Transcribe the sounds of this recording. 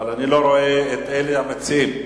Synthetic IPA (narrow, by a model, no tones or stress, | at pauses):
lanɪlɔɾɔɛɛtʼɛlɛjamat͡sʰɪːm